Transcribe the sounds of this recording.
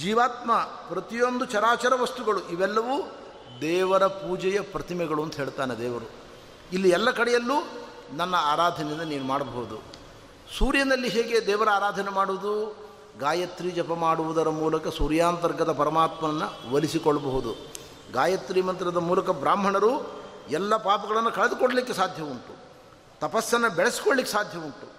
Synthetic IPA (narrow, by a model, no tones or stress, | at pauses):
d͡ʒiːʋaːt̪mɐ | pɾɐt̪ijo̞nd̪ut͡ʃɐɾaːt͡ʃɐɾɐʋɐst̪uɡɐɭuʔiʋɛlːɐʋuː | d̪ɛːʋɐɾɐpuːd͡ʒɛjɐpɾɐt̪imɛɡɐɭuɐnt̪uɦeːɭt̪aːned̪ɛːʋɐɾu | ilːiɛlːɐkɐɽɛjɐlːuː | nɐnːɐaːɾaːd̪ʱɐnend̪ɐniːnumaːɽɐbɐɦud̪u | suːɾjɐnɐlːiɦɛːɡe̞d̪ɛːʋɐɾaːɾaːd̪ʱɐnɛmaːɽuʋud̪u | ɡaːjɐt̪ɾiːd͡ʒɐpɐmaːɽuʋud̪ɐɾɐmuːlɐkɐsuːɾjaːnt̪ɐɾɡɐd̪ɐpɐɾɐmaːt̪mɐɐnːɐʋɐlisikɔɭːɐbɐɦud̪u | ɡaːjɐt̪ɾiːmɐnt̪ɾɐd̪ɐmuːlɐkɐbɾaːmbʱɐɳɐɾuɛlːɐpaːpɐɡɐɭɐnːukɐɭed̪ukoɽɐlikːesaːd̪ʱjɐʋunt̪u | t̪ɐpɐsːɐnːɐbɛɭesi̥koɭlikːesaːd̪ʱjɐʋunʈ̪u